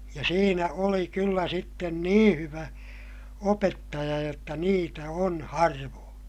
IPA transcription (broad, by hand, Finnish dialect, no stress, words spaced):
jɑ siːnæ oli kylːæ sitːen nĩː hyʋæ opetːɑjɑ jotːɑ niːtæ on hɑrʋoːn